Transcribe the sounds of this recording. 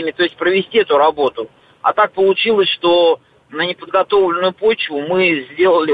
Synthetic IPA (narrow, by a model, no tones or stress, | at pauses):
mʲɪt̪o̞ɪstʲpɾəvʲɪsʲtʲiɛt̪ʊɾɐbo̞t̪ʊ | a̰t̪ak̚pəlˠʊt͡ɕilˠəsʲʂt̪o̞ | nənʲɪpəd̪̚ɡɐt̪o̞vlʲɪnʊjʊpo̞t͡ɕvʊmɨzʲdʲe̞lˠəlʲɪ